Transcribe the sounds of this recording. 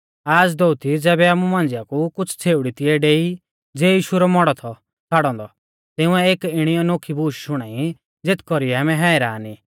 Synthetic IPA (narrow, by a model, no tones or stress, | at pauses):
aːd͡zd̪out̪id͡zɛːbɛaːmũmãːnd͡zɪjakukʊt͡sʰt͡sʰeːʊɽit̪ɪɛɖeːi | d͡zeːjiːʃuɾɔmɔɽɔt̪ʰɔ | t͡sʰaːɽɔ̃ːnd̪ɔ | t̪ɪũɛeːkɪɽ̃ijɔnoːkʰibuːʃʃʊɽ̃aːi | d͡zet̪ʰkɔɾiɛaːmɛ̃ɦɛːɪɾaːniː